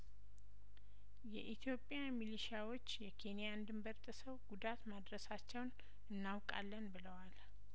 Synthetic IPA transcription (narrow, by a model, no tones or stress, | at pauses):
jɛʔit̪ʰjo̞pʼjamiliʃiawot͡ʃːjɛkʰe̞nijand̪ɨmbəɾt̪ʼɨsəwɡud̪at̪mad̪ɾəsat͡ʃːɛwn | ɨnːawkʼa̰lːənbɨləwal